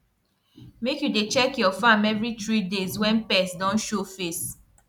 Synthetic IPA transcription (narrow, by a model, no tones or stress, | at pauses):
mekjudet͡ʃɛkjɔfãmɛvɹitɹideswɛ̃npɛsdɔ̃nʃofes